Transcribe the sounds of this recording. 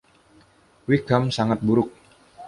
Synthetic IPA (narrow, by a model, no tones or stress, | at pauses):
wikamsaŋat̪̚buɾʊk̚